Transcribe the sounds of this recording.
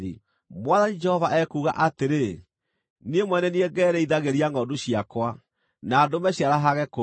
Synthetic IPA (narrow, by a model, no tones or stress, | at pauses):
i | mwaðanid͡ʒɛhɔvaʔɛkuːɣa̰ʔateɾe | nemwɛnɛnieɡɛːɾɛiðaɣeɾiaŋɔdoɕiakwa | nadomɛɕjaɾaɦaɣɛko